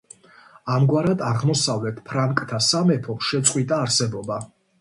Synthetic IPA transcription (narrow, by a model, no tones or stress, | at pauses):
amɡwaɾad̪aʁmɔsavlɛt̪ʰpʰɾaŋkʼt̪ʰasamɛpʰɔpʃɛt̪sʼqʼwit̪ʼaːɾsɛbɔba